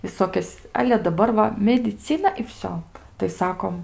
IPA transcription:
ʋʲɪˈsoːkʲɛs ˈɑːlʲɛ dɐˈbɐr ʋɐ mʲɛdʲɪˈt͡sʲɪnɐ ɪ ˈʋʲsʲoː tɐɪ ˈsɑːkoːm

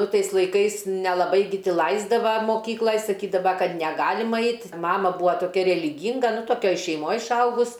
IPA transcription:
ˈnʊ ˈtɐɪs lˠɐɪˈkɐɪs nʲɛlˠɐˈbɐɪ ɡʲɪ ˈtʲɪ ˈlˠɐɪzdɐʋɐ moːˈkʲiːklˠɐj sɐˈkʲiːdɐʋɐ ˈkɐt nʲɛˈɡɑːlʲɪmɐ ˈɐɪt ˈmɑːmɐ ˈbʊɐ toːˈkʲɛ rʲɛlʲɪˈɡʲiːŋɡɐ nʊ toːˈkʲoːj ʃʲɛɪˈmoːj ɪʃˈɐʊɡʊs

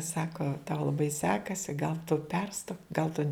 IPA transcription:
ˈsɑːkoː tɐʊ lˠɐˈbɐɪ ˈsʲæːkɐsʲɪ ɡɐlˠ tʊ ˈpʲɛrstoːk ɡɐlˠ tʊ

